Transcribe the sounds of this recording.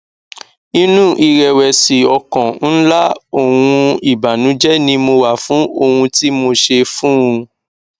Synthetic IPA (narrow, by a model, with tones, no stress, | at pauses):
ĩ˦nũ˦˨ʔi˧ɾɛ˧wɛ˧si˨ɔ˧kɔ̃˨n̩˦la˦o˦˨wũ˧i˨ba˨nũ˨˦d͡ʒɛ˦nĩ˧mo˧wa˦˨fũ˨˦o˧hũ˧ti˦mo˧ʃe˧fũ˦ũ˧